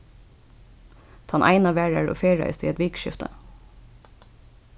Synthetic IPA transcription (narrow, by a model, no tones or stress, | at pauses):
t̪ʰɑnʔæ̰ɪnɑʋæːɹəɹo̰ːfeːɹœ̰ʏst̪ʰiːɛt̪ʋiːkʃɪ̰ft̪ʰə̰